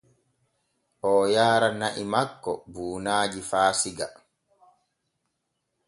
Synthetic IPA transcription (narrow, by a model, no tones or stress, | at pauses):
ʔɔːjaːɾanaʔimakːɔbuːnaːd͡ʒifaːsiɡa